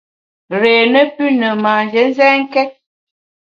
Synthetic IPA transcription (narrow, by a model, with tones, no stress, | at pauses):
ɾeː˨nə˦pʉ˦nə˨ma˨nd͡ʒə˨˦n̩˦zɛ˦ŋ̩˦kɛ˦t̚